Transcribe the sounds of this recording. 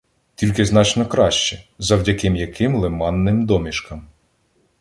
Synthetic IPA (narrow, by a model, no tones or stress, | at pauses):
tʲilʲkɪznɑt͡ʃnɔkɾɑʃt͡ʃɛzɐwdʲɐkɪmjɐkʰɪmlˠemɑnːɪmd̪ɔmʲiʃkɐm